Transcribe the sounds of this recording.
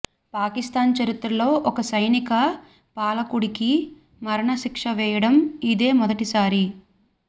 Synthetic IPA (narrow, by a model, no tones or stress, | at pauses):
paːkist̪aːnt͡ʃɐɾit̪ɾɐlo̞ːʔɔkɐsɐjnikɐ | paːlɐkuɽiki | mɐɾɐɳɐʃikʂɐʋɛːjɐɽɐmid̪e̞ːmɔd̪ɐʈisaːɾi